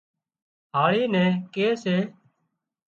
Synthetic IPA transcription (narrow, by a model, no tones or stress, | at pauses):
ɦaːɭiːnɛ̃ːkeːseː